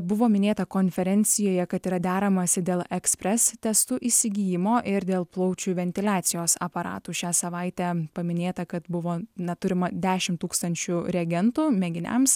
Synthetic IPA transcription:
bʊʋoːmʲɪnʲeːt̪ɐkoːnʲfʲɛɾʲɛnʲsʲɪjoːjɛkɐt̪iːɾɐd̪ʲæːɾɐmɐsʲɪd̪ʲeːlˠɛksʲpʲɾʲɛst̪ʲɛst̪uːʔiːsʲɪɡʲiːjɪmoːʔɪɾd̪ʲeːlˠplˠɐʊt͡ʃʲuʋʲɛnʲt̪ʲɪlʲæːt̪sʲɪjoːsɐ̰pɐɾɑ̰ːt̪uːʃʲæːsɐʋɐɪt̪ʲæpɐmʲɪnʲeːt̪ɐkɐt̪bʊʋoːnʲɐt̪ʊɾʲɪmɐd̪ʲæːʃʲɪmt̪uːkst̪ɐnʲt͡ʃʲʊɾʲɛɡʲɛnt̪uːmʲɛɡʲɪnʲɛ̰ms

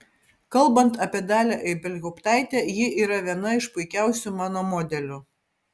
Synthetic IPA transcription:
kɐlˠbɐnt̪ɐpʲiɛd̪ɑːlʲæʔɛɪbʲɛlʲɡʲɔʊpt̪ɑˑɪt̪ʲɛjɪʔiːɾɐʋʲiɛnɐɪʃpʊɪkʲæˑʊsʲumɑːnoːmɔd̪ʲɛlʲʊ

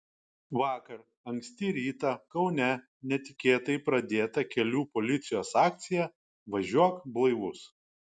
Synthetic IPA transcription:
ʋɑːkɐɾ | ɐŋʲksʲt̪ʲɪɾʲiːt̪ɐkɒʊnʲɛ | nʲɛt̪ʲɪkʲeːt̪ɐɪpɾɐd̪ʲeːt̪ɐkʲɛlʲuːpɔlʲɪt̪sʲɪjoːsɑːk̚t̪sʲɪjɛ | ʋɐʒʲuɔkblˠɐɪʋʊs

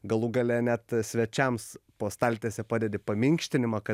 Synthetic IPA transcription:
ɡɐlˠuːɡɐlʲeːnʲæt̪sʲʋʲɛt͡ʃʲɛmspoːst̪ɑlʲt̪ʲeːsʲɛpɑːd̪ʲeːd̪ʲɪpɐmʲɪŋʲkʃʲt̪ʲɪnʲɪmɑkɐ

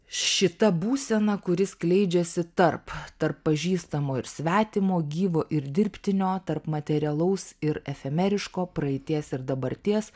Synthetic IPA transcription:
ʃʲɪt̪ɐbuːsʲɛnɐkʊɾʲɪsklʲɛɪd͡ʒʲɛsʲɪt̪ɐrpt̪ɐrpːɐʒʲiːst̪ɐmoːɪɾsʲʋʲæːt̪ʲɪmoːɡʲiːʋoːʔɪɾd̪ʲɪɾʲpʲt̪ʲɪnʲoːt̪ɐrpmɐt̪ʲɛɾʲɪɛlˠɐʊsɪɾɛfʲɛmʲɛɾʲɪʃkoːpɾɐɛɪt̪ʲiɛsɪɾd̪ɐbɐɾʲt̪ʲiɛs

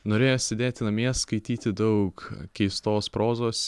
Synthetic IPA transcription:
noːɾʲeːjoːsʲɛd̪ʲeːt̪ʲɪnɐmʲeɛskɐɪt̪ʲiːt̪ʲɪd̪ɐʊkkʲɛɪst̪oːspɾoːzoːs

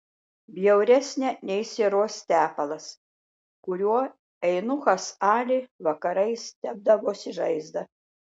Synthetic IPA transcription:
bʲjɛʊɾʲɛsʲnʲɛnʲɛɪsʲeɾoːst̪ʲæːpɐlˠɐs | kʊɾʲuɔ | ɛɪnʊxɐsɑːlʲɪʋɐkɐɾɐɪst̪ʲæb̚d̪ɐʋoːsʲɪʒɐɪzd̪ɐ

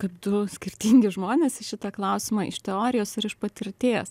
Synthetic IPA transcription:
kɐpd̪ʊsʲkʲɪrʲt̪ʲiŋʲɡʲɪʒmoːnʲeːsʃʲɪt̪ɐklˠɐʊsʲɪmɑːʔɪʃt̪ʲɛoːɾʲɪjoːsɪɾɪʃpɐt̪ʲɪɾʲt̪ʲeːs

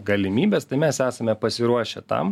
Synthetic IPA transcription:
ɡɐlʲɪmʲiːbʲɛst̪ɐɪmʲɛsæːsɐmʲɛpɐsʲɪɾuɔʃʲɛt̪ɐ̰m

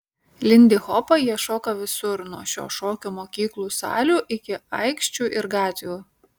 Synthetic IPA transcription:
lʲɪnʲd̪ʲɪxɔpɐjiɛʃoːkɐʋʲɪsʊɾnuɔʃʲo̰ːʃoːkʲumoːkʲiːklˠuːsɑ̰ːlʲuːʔɪkʲɪɐɪkʃʲt͡ʃʲuːʔɪɾɡɑːt̪ʲuː

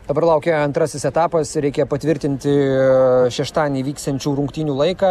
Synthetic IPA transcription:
d̪ɐbɐɾlˠɐʊkʲeɐnt̪ɾɐsʲɪsɛt̪ɑːpɐsɾʲɛɪkʲeːjpɐt̪ʲʋʲɪɾʲt̪ʲɪnʲt̪ʲɪ | ʃʲɛʃt̪ɑːnʲiːʋʲiːkst̪ɐnʲt͡ʃʲuːɾʊŋkt̪ʲiːnʲuːlˠɐɪkɑː

